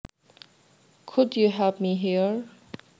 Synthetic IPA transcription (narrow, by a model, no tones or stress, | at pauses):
kʰʊdjuɦəvmiɦiɹ